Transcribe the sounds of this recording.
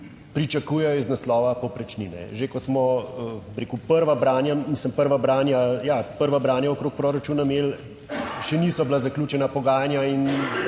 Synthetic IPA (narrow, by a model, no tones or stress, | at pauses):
pɾit͡ʃakuːjɛjɔiznaslɔːʋapɔpɾɛt͡ʃninɛ̰ʒekɔsmɔ | ɾekupəɾʋabɾaːnjamisəmpəɾʋabɾaːnjajapəɾʋabɾaːnjaokɾoːk̚pɾoːɾat͡ʃuːnameːl | ʃɛniːsɔblazaklʲjuːt͡ʃɛnapɔɡaːjanjain